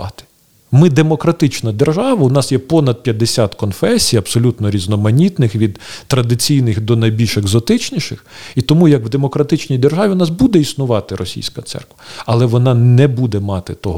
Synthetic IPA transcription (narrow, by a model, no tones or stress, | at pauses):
ɑt̪ɪ̥ | mɪd̪emɔkɾɐt̪ɪt͡ʃnɐd̪erʒɑʋɐʊnɑsjɛpɔnɐd̪̚pʲjɐd̪esʲat̪kɔnfɛsʲijɐpsɔlʲut̪nɔɾʲiznɔmɐnʲit̪nɪxʋʲid̪t̪ɾɐd̪ɪt͡sʲijnɪxd̪ɔnɐjbʲilʲʃeɡzɔt̪ɪt͡ʃnʲiʃɪxit̪ɔmujɐkʋd̪emɔkɾɐt̪ɪt͡ʃnʲijd̪erʒɑʋʲiʊnɑsbud̪ɛisnʊʋɑt̪ɪɾɔsʲḭjsʲkɐt̪sɛ̰rkʋɐɐlˠɛʋɔnɑnɛbud̪ɛmɑt̪ɪt̪ɔɦ